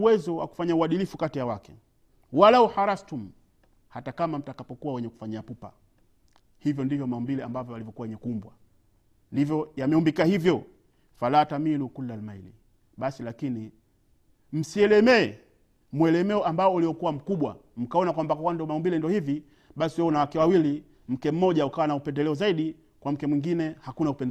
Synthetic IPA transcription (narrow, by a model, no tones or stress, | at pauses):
uwɛzɔwa̰ku̥faɲauwaɗilifukatijawakɛ̥ | walauhaɾastum̩ | hatakamam̩takapɔkuwawɛɲɛku̥faɲiapupa̰ | hivjɔndivjɔmaumbilɛambavjɔalivjɔkuwawɛɲɛkumbwa | ndivjɔjamɛumbikahivjɔ | falataminukulːalmailḭ | ɓasilakini | m̩siɛlɛmɛː | mwɛlɛmɛɔʔambaɔuliwɔkuwam̩kuɓwa | m̩kaɔnakwambakwakwandiɔmaumbilɛndiɔhivi | ɓasiwɛɔnawakɛwawili | m̩kɛm̩mɔʄaukawanaupɛndɛlɛɔzaiɗi | kwam̩kɛmwiŋɡinɛhakunaupɛnd